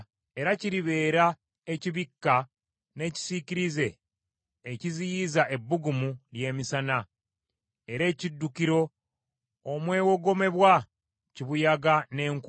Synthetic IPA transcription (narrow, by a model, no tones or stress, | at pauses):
e̞ɾaciɾiβe̞ːɾa | e̞ciβikːa | ne̞ːci̥siciɾize̞ː | cizijizaʔe̞bːuɡumulje̞ːmisana | e̞ɾe̞ːcidːukiɾo̞ː | mwe̞ːwo̞ɡo̞me̞βwa | ciβujaɡane̞ːŋk